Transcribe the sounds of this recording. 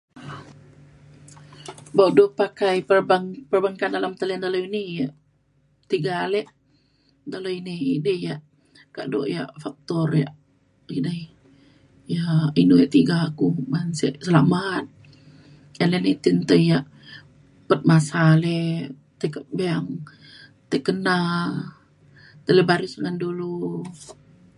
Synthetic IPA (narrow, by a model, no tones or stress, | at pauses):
bawʔdopakajpərbaŋpərbaŋkandalamt̪əlɛndaloinijaʔ | t̪iɡaleʔ | daloiniḭdəhjaʔ | ka̰ʔdo̰ʔja̰ʔfak̚t̪ɔrja̰ʔ | idəh | jainujaʔt̪iɡakumansḛʔsəlamat̪̚ | anlenit̪int̪əjaʔ | pət̪̚masale | t̪əkaʔbeaŋ | t̪əkəna | t̪ələbaɾisŋandulu